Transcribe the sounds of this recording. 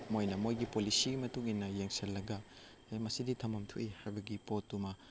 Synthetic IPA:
mojnɐmojɡipolisiɡimɐtuŋinːɐjeŋselːɐɡɐ | mɐsiditʰɐmɐmtʰuʔihajbɐɡipotːumɐ

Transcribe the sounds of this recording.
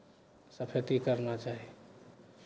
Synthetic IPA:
səpʰet̪ikəɾnat͡ʃaɦi

